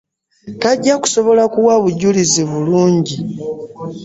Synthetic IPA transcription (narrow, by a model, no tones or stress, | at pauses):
taɟːaku̥so̞βo̞lakuwaβuɟuliziβuluːɲɟi